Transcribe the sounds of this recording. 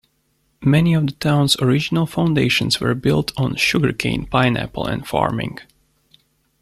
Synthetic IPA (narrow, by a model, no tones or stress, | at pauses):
mɛniɔvðətʰãʊ̃nsɔɹɪd͡ʒɪnəlˠfãʊ̃ndeɪʃə̃nswə̰˞bɪ̰lˠtʰɔ̃nʃʊɡə˞kʰḛ̃ɪ̃npaɪnæ̰pəl̩ˠɛ̰̃ndfɑ̰ɹmɪ̰̃ŋɡ